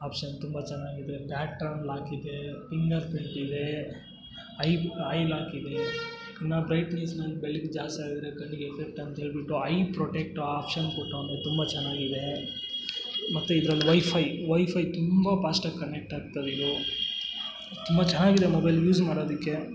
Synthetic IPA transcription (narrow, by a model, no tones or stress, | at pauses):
aːpʂɐnt̪umbɐt͡ʃɛnːaːɡid̪e̞pjaːʈːɐɾnlaːkid̪efiŋɡɐɾpiɳʈid̪e̞ | ɐjɐjlaːkid̪e̞ | kɐnːɐbɾɐjʈniːsnɐlːibeɭikd͡ʒaːst̪iaːɡid̪ɾekɐnːiɡepʰek̚ʈɐnt̪ɐɦeːɭbiʈːuɐjpɾoːʈek̚ʈaːpʃɐnkoʈːond̪et̪umbɐt͡ʃɛnːaːɡid̪e̞ | mɐt̪ːuid̪ɐɾɐlːiʋɐjpʰɐjʋɐjpʰɐjt̪umbɐpaːsʈɐkːɐnek̚ʈaːk̚t̪ɐd̪id̪u | t̪umbɐt͡ʃɐnːaːɡid̪e̞mobɐjljuːd͡ʒmaːɽoːd̪ikːe̞